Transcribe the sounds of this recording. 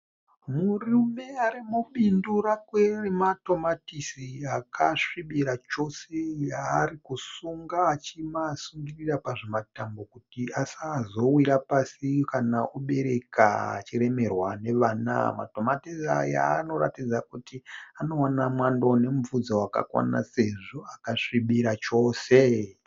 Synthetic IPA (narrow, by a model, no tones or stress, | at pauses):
murume̞aɾimuɓindurakwerimato̞matisiakʰaʂiɓiɾat͡ʃo̞sejaːrikusuŋɡaːt͡ʃimasuŋɡirirapaʐe̞matambo̞kutiasazo̞wiɾapasikanauɓe̞ɾe̞ka̰ːt͡ʃiɾe̞me̞rwane̞ʋaːna̰ma̰to̞matisa̰ja̰ːno̞ra̰tid͡zakutiano̞wanamwandone̞muvud͡zowaka̰kwa̰na̰se̞ʐoakaʂiɓiɾat͡ʃo̞ːse